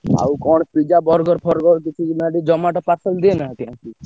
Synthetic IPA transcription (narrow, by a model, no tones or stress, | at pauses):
a̰ukɔɳ̃pid͡ʒabɔɾɡɔɾpʰɔɾɡɔɾkit͡ʃʰimaɖid͡ʒɔmaʈɔpasəld̪ienat̪iãki